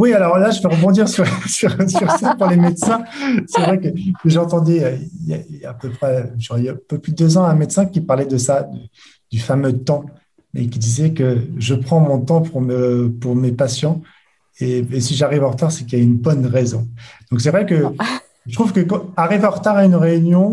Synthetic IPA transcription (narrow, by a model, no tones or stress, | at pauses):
wialɔʁlaʒəvɛʁəbɔ̃d̪iʁsyʁsyʁsyʁsapuʁlemet̪sɛ̃sɛvʁɛkəeʒɑ̃t̪ɑ̃d̪ɛøilja̰iljaːpøpχɛʒɔʁɛpøplyd̪øzɑ̃ɛ̃met̪sɛ̃kʲipaʁlɛd̪əsad̪ə | d̪̥yfamøt̪ɑ̃ | mḛkʲid̪izɛkəʒəpχɑ̃mɔ̃t̪ɑ̃puʁməpuʁmepasjɑ̃ | eesiʒaʁivɑ̃ʁət̪aʁsɛkiljaynbɔnʁezɔ̃d̪̥ɔ̃ksɛvʁɛkə | ʒt̪χuvkəkɑ̃aʁivɑ̃ʁət̪aʁaynʁeynjɔ̃